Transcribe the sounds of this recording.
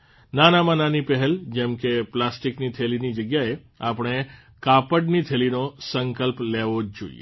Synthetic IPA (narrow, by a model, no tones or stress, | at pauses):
nanamãnanipɛɦɛld͡ʒɛmkeplasʈiknit̪ʰelinid͡ʒəɡjae | apəɳ̃e | kapəɖnit̪ʰelinosəŋkəlpleʋod͡ʒd͡ʒo̰ḭḛ